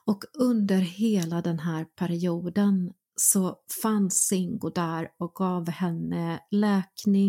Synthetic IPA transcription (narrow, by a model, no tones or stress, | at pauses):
ɔkɵnd̪əɾheːlad̪ɛnɦæːɾpʰæɾɪuːd̪ən | sɔfansɪŋɡʊd̪æɾɔk̚ɡɑːvhɛnːəlɛːknɪ